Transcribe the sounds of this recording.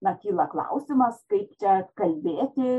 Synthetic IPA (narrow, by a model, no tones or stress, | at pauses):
nɐkʲiːlˠɐklˠɑ̰ʊsʲɪmɐskɐɪpt͡ʃʲɛkɐlʲbʲeːt̪ʲɪ